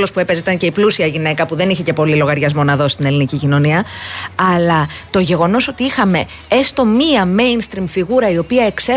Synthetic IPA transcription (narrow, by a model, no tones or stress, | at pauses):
lo̞spue̞pe̞zit̪ɐnce̞iplusiɐʝine̞kɐpuðe̞niçe̞ce̞po̞lilo̞ɣɐɾʝɐzmo̞nɐðo̞st̪ine̞linicicino̞niɐɐlɐt̪o̞ʝe̞ɣo̞no̞so̞t̪iixɐme̞ | est̪o̞miɐme̞jnst̪ɾimfiɣuɾɐio̞piɐe̞kse